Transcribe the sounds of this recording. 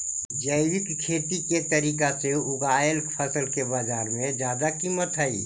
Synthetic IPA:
d͡ʒəɪwɪkkʰeːt̪iket̪əɾiːkaseʊɡaːəlkpʰəsəlkebaːd͡ʒaːɾmẽd͡ʒjaːd̪akiːmət̪ɦɛḭː

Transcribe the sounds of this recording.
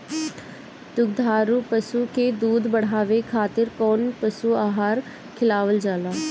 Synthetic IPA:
t̪ʊɡ̚d̪ʱaːɾuːpəsukeːd̪uːd̪bəɽ̤aːʋekʰaːt̪ɪɾkɔːnpəsuːaːɦaːɾ | kʰɪlaːʋəld͡ʒaːlaː

